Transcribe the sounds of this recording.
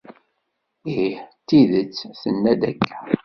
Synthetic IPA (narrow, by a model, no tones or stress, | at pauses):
iħt̪ːiðət͡sːθənːæd̪ækːæ